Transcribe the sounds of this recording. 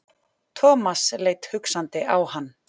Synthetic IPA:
t̪ʰɔːmasleːjt̪hʏksant̪ɪʔawhanː

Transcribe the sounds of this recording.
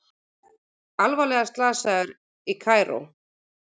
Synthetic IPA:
alvalɛɣast̪laːsaɣʏɾ | ikʰaːjɾo̰w

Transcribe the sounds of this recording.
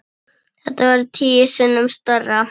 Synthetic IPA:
θɛht̪avaɾʏt̪ʰiːjɪsɪnːʏmst̪œrːa

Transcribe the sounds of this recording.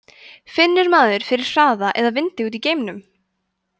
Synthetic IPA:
fɪnːɪɾmaːðʏɾ̥fɪɾɪɾ̥saːðaʔɛðavɪnt̪ɪuːt̪̬iceːjmnʏm

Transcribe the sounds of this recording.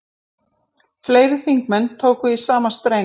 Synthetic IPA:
fleːjɾɪθiŋk̚mɛnːt̪ʰoːwkʏðisaːmast̪ɾeː

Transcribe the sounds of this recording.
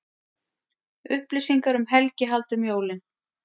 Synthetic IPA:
ʏhplɪsiŋkaɾʏmɦɛlcɪɦalt̪ʏmjoːwlɪn

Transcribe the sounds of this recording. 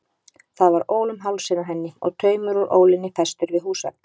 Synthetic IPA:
θaðvaɾoːwlʏmɦawlsɪnaɦɛnːɪɔ̰ɣt̪ʰœːɥmʏɾɔɾʔo̰ːwlɪnːɪfɛst̪ʏɾvɪðɦuːsa̰

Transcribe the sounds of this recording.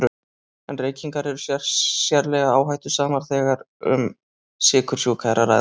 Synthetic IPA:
ɾ | ɛnreːjciŋkaɾɛɾʏsasjɛɾlɛɣaaːwɦajt̪ʏsaːmaɾ̥θɛːɣaɾ | ʏ̰m | sɪːkʰʏɾ̥sjɔʏkʰaðɾaɾa̰

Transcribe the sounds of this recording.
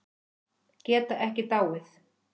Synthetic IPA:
cɛːt̪aʔɛhcɪt̪awɪθ

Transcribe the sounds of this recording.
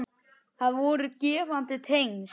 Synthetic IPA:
θaðvɔɾʏcɛːvant̪ɪt̪ʰejŋs

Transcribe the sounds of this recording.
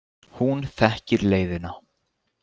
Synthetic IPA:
hunθɛhcɪɾleːjðɪna

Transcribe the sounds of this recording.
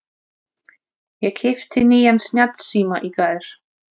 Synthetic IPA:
jɛɣcʰɪft̪ʰɪniːjansnjat̪siːmaʔikaːðɪɾ̥

